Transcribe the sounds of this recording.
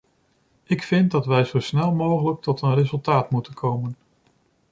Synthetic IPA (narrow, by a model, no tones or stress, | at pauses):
ɪkfɪntdɑtʋɛjzowsnɛlˠmowχələk̚tɔtənrezɵlˠtaːtmutənkʰowmən